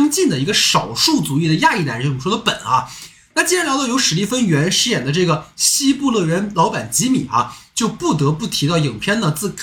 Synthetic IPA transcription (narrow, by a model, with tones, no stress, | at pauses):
ŋt͡ɕi˥˩nd̪ə˩i˧˥ɡə˧ʂɑ˨˩ʊʂu˥˩t͡su˧˥i˥˩d̪ə˩ja˥˧i˥˩t̪a˧˥˩ʂwɔ˥ə˧pə˨˩nɐ̰˦ | na˥˩t͡ɕi˥jɛ˥ljd̪ɑ˧˩jo˧˥ʊʂɻ̩˧˥li˥˩fə˥nɥɛ˧˥nʂɻ̩˥jɛ˨˩nd̪ə˦ʈ͡ʂɤ˥˩ɡə˩ɕi˥pu˥˧lɤ˥˩ɥɛ˧˥nlɑ˧˥ʊpa˨˩nt͡ɕi˧˥mḭ˨˩˦ʔɐ̰˧˦t͡ɕjo˥˧ʊpu˥˩t̪̬ɤ˧˥pu˥˩t̪ʰi˧˥t̪ɑ˥˩ʊji˨˩ŋpʰjɛ˥˧nd̪ə˨t͡sɹ̩˥˩kʰ